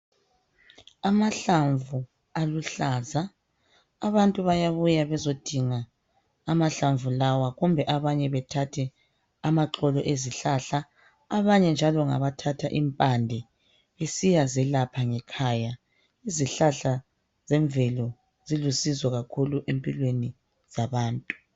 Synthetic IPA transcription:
amaɬaɱvu | aluɬaːza | aβantʼuβajaβujaβɛzod̥ʱiŋaː | maɬaɱvulawaɣumbʱɛʔaβaɲɛβɛtʰatʰɛ | amaǁɔlɔʔeziɬaɬa | aβaɲɛnd͡ʒʱalɔŋa̰βatʰatʰaʔimpʼandʱɛ | esijazɛlapʰaŋɛkʰaja | iziɬaɬa | z̥ɛɱvɛlɔ | zilusizwɔɣakʰuluʔempʼilweni | z̥aβaːntʼu̥

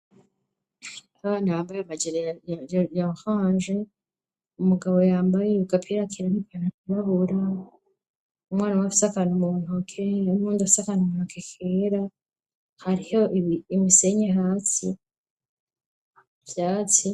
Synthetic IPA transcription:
aβaːndiβaːmbajamaɟeɾejajahaːnʒe̞ | umuɡaβo̞jaːmbajeuɡapʰiɾakʰiɾanipanaiβaβuɾa | umŋaːnawafi̥sakanumuːn̥ukeumuːndaisakanumuːnukʰekʰeːɾa | haɾiho̞ʔiimiseɲeɦaːsi | bjaːt͡si

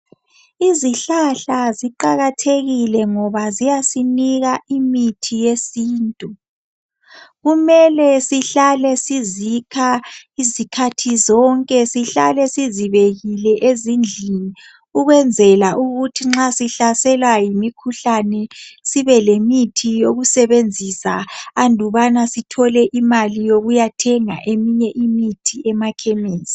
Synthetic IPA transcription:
iziɬaɬaziǃaɣatʰeɣilɛŋɔβazijasiniɣaʔimitʰijesiːntʼu | ɣumɛlɛsiɬalɛsizikʰaizikʰatʰizɔŋkʼɛsiɬa̰lɛsiziβeɣilɛʔezind͡ɮʱini | uɣwɛnd͡zʱɛlaʔuɣutʰiŋ͡ǁasiɬasɛlwajimikʰuɬanɛsiβɛlemitʰijoɣusɛβend͡zʱisaːndʱuβanasitʰɔlɛʔimalijoɣujatʰɛŋa̰ʔemiɲɛʔimitʰiʔɛmakʰemiːsi̥

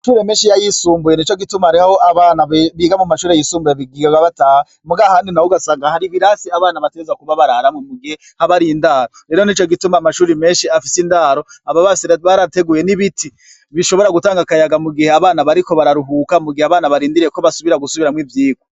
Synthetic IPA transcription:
ʃuːɾemeːnʃijajisuːmbuje̞nit͡ʃo̞ɡitumahaɾihahoʔaβaːnaβiːɡamumaʃuːɾeajisuːmbujeβiɡiɡaβaβataha | muɡahaːndinawuɡasaːŋɡahaɾiβiɾasiaβaːnaβateɾezakuβaβaɾaɾamwemuɡihe̞ | haβaɾijindaːɾoɾe̞ːɾo̞nit͡ʃo̞ɡitumamaʃuːɾime̞ːnʃiafisindaːɾo̞aβaβasβaɾate̞ɡuːje̞niβitʰi | βiʃo̞βo̞ɾaɡutaːŋɡakajaɡamuɡiheaβaːnaβaɾiko̞βaɾaɾuɦuːkamuɡiheaβaːnaβaɾiːndiɾijeko̞βasuβiɾaɡusuβiɾamwivjiːɡwo

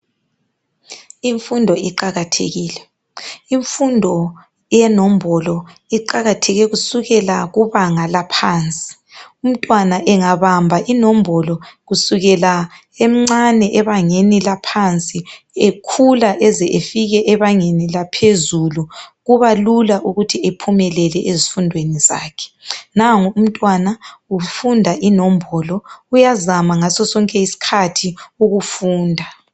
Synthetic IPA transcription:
iɱfundʱɔiǃaɣatʰḛɣiːlɛ | iɱfundʱɔ | jɛnɔm̩bɔlɔiǃaɣatʰɛɣɛɣusuɣɛlaɣuβaŋalapʰaːnt͡sʼi̥ | um̩tʼwanaʔɛŋaβambʱaʔinɔm̩bʱɔlɔɣusuɣɛla | em̩ŋ͡ǀanɛʔɛβaŋenilapʰant͡sʼi | ekʰulaʔɛzɛʔefiɣɛʔɛβaŋenilapʰezuluɣuβalulaʔuɣutʰiepʰumɛlɛlɛʔezifundʱweniza̰ːkʰɛ̥naŋum̩tʼwanaufundʱaʔinɔm̩bʱɔlɔujazamaŋasɔsɔŋkʼɛisi̥kʰatʰiuɣufuːndʱa

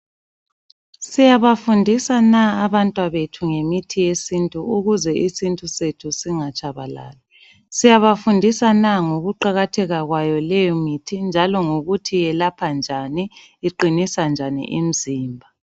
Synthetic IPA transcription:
sijaβafundʱisanaːβantʼwaβetʰuŋemitʰijesintʼuuɣuzɛʔisintʼusetʰusiŋat͡ʃʼaβala̰ːla | sijaβafundʱisanaŋoɣuǃaɣatʰɛɣaɣwajɔlɛjɔmitʰind͡ʒʱalɔŋoɣutʰijɛlapʰand͡ʒʱani | iǃinisand͡ʒʱanḭʔḭm̩ziːmbʱa

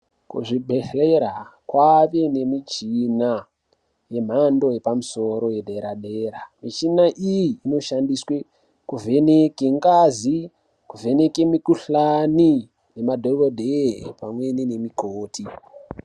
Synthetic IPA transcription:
kuʐibʱeɬeɾakwaʋe̞ne̞mit͡ʃina | je̞m̤ando̞je̞pamuso̞ɾo̞je̞dʱeɾaɗeːɾamit͡ʃinaʔijiːno̞ʃandiswe | kuvʱe̞nekeŋɡazi | kuvʱe̞ne̞kemikuɬani | ne̞madʱoɡodʱepamwe̞nine̞mikoːti

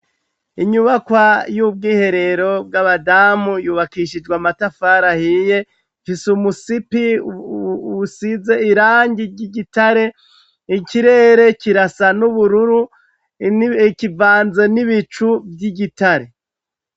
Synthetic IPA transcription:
iɲuβakwajub̚ɡiːhe̞ɾe̞ɾo̞b̚ɡaβadamujuːβakiʃid͡ʒɡwamatafaːɾahije̞ | fisumusipi | size̞iɾaːɲɟiɾɟiɟitaɾe̞ | ikiɾe̞ːɾe̞ciɾasanuβuɾuɾu | kivaːnze̞niβit͡ʃubjiɟitaɾe̞

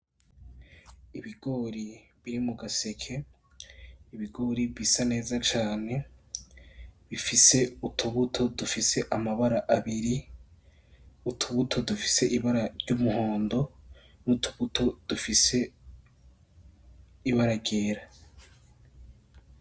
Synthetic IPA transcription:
iβiɡo̞ɾiβiɾimuɡase̞kʰe̞ | iβiɡo̞ɾiβisane̞ːzat͡ʃaːne̞ | βifise̞utʰuβutʰo̞dufise̞ʔamaβaɾaʔaβiɾi | utʰuβutʰo̞dufi̥se̞ʔiβaɾaɾɟumuho̞ːndo̞ | nutʰu̥βutʰo̞d̥ufise̞ | iβaɾaɟe̞ːɾa

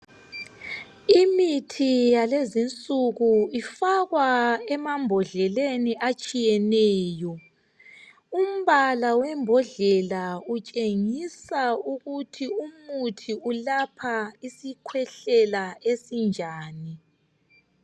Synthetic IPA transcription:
imitʰijalezint͡sʼuɣuifaɣwaɛmambʱɔɮɛleniʔat͡ʃʼijɛnɛːjɔ | um̩βalawɛmbʱɔɮɛlaut͡ʃʼeŋisauɣutʰiumutʰiulapʰaisikʰwɛɬɛlaesind͡ʒʱaːni

